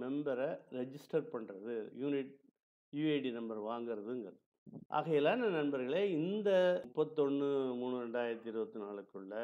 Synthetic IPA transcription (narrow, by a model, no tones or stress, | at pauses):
mɛmbɐɾɐɾɛd͡ʒɪsʈɐɾpɐɳrɐðɯjuːnɪʈ̚ | jueɪɖinɐmbɐɾʋaːŋɡɪɾɐðɯŋɡɐɾɐð | ʔa̰ːɣɐɛlːaːnɐnɐnbɐɾɣɐɭeːɪnd̪ɐʊpːɐt̪ːɔnːɯmuːnɯɾɛɳɖaːjɪɾɐt̪ːɪɾɯbɐt̪ːɯnaːɭɯkːɯɭːɐ